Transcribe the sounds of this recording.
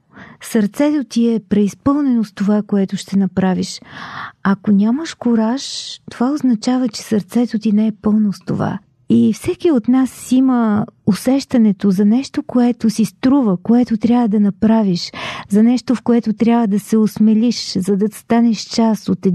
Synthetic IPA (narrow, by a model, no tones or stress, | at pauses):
sɐɾt̪sɛt̪ot̪iɛpɾɛispɤlˠnɛnost̪ovakoɛt̪ʊʃt̪ɛnɐpɾaviʃ | ɐkonʲaməʃkoɾaʃt̪ovaoznɐt͡ʃavət͡ʃɛ̥sɐɾt̪sɛt̪ot̪inɛɛpɤlˠnost̪o̰va̰ | ifsɛkiot̪nasiməosɛʃt̪ɐnɛt̪ozɐnɛʃt̪okoɛt̪osist̪ɾuvəkoɛt̪ot̪ɾʲjabvəd̪ɐnɐpɾaviʃzɐnɛʃt̪ofkoɛt̪ot̪ɾʲjabvəd̪ɐsɛosmɛliʃzɐd̪ɐst̪anɛʃt͡ʃasot̪ɛ